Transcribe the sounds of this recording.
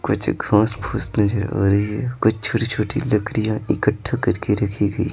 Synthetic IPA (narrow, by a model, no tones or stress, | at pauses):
kʊt͡ʃɡʱãːsbʱuːsnɐd͡ʒəɾa̰ːɾəiɦɛkʊt͡ʃt͡ʃʰoːʈit͡ʃʰoːʈilɐkɾijãɪkəʈʰːakɐɾkeɾɐkʰiɡɐḭː